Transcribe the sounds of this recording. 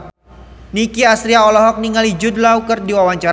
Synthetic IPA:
nikiasɾiaɔlɔɦɔk̚niŋalid͡ʒʊdlaukərdiwawaɲt͡ʃaɾ

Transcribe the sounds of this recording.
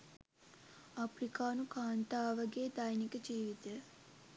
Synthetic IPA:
apɾikaːnukaːnt̪aːʋaɡeːd̪ajnikəd͡ʒiːʋit̪e

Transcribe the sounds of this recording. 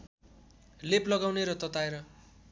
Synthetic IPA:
leplʌɡawneɾʌt̪ʌt̪aeɾʌ

